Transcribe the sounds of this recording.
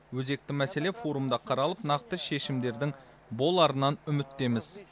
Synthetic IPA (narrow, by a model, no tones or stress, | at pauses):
wɵze̞k̚t̪ɪmæse̞le̞fo̞ɾumd̪ɑqʰɑɾɑlˠəpnɑqt̪əʃe̞ʃɪmd̪e̞ɾd̪ɪŋ | bo̞lˠɑɾənɑnʏmɪt̪ːe̞mɪz̥